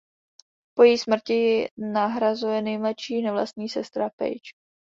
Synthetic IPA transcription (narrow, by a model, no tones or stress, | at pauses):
po̞jɛjsmr̩cɪjɪnaɦɾazujɛnɛjmlɛʃiːnɛvla̰st̪ɲiːsɛst̪ɾapɛ̰jt͡ʃ